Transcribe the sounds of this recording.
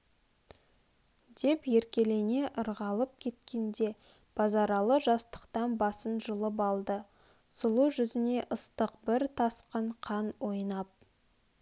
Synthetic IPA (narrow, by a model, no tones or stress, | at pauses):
d̪̥e̞pje̞ɾkʲe̞le̞ne̞ʔəɾʁɑlˠəp̚kʲʰe̞t̪kʲe̞nd̪e̞ | b̥ʰɑzɑɾɑlˠəʒɑst̪ə̥qt̪ɑnbɑsənʒʊlˠəp̬ɑlˠd̪ə | sʊlˠuʒʏzɪne̞ʔəst̪əqbɪɾt̪ʰɑsqəɴqʰɑnwo̞jnɑp̚